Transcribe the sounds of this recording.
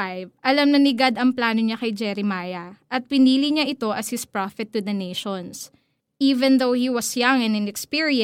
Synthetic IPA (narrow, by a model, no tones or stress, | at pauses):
ajvʔɐlɐmnɐnɪɡad̪ɐŋplaːnoɲakɐjd͡ʒɛɾɪmaːjɐʔɐt̪̚pɪniːliɲaʔɪt̪o̞ʔɐshɪspɹafɛt̪ːud̪ɐnejʃons | ʔiːvɛ̃nðowhiwɐsjaŋɛ̃nɐ̃nɛkspiɹiɛ̃